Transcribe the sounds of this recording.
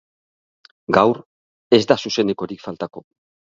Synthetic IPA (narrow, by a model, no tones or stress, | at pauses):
ɡawɾ | e̞zd̪asuse̞neko̞ɾikfalt̪ako̞